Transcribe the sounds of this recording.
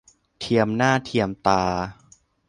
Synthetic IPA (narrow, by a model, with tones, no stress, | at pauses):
t̪ʰi˧əmnaː˥˩t̪ʰi˧əmt̪aː˧